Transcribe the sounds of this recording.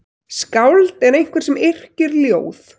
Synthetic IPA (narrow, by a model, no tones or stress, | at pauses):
skawlt̪ɛɾejŋ̥kʰvɛɾ̥sɛmɪr̥cɪɾljoːwθ